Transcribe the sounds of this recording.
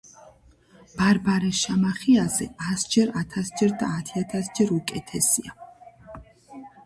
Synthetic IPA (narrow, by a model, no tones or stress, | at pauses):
b̥aɾbaɾɛsʃamaχiazɛasd͡ʒɛɾat̪ʰasd͡ʒɛɾd̪aːt̪ʰiat̪ʰasd͡ʒɛɾukʼɛt̪ʰɛsia